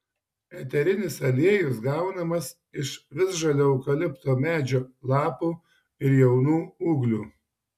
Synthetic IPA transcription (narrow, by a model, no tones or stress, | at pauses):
ɛt̪ʲɛɾʲɪnʲɪsɐlʲeɛjʊsɡɑˑʊnɐmɐs | ɪʃʋʲɪsʒɐlʲoːɐʊkɐlʲɪpt̪oːmʲæːd͡ʒʲoːlˠɑːpuː | ɪɾjɛʊnuːuːɡlʲuː